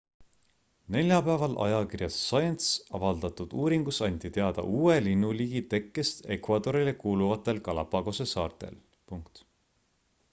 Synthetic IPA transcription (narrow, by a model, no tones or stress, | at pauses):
ne̞lʲjɑpæːvɑlʔɑ̰jɑkirjɑsːɑjent̪sɑvɑld̪̥ɑt̪ud̪̥uːɾiŋɡ̥usɑnʲt̪it̪e̞ɑd̪̥ɑ̰ʔuːe̞linːuliːɡ̥it̪e̞kːˑe̞st̪e̞kvɑd̪̥o̞ɾilekuːluvɑt̪ːˑe̞lkɑlɑpɑɡ̥o̞se̞sɑːrt̪ˑe̞̰l | puŋkt̪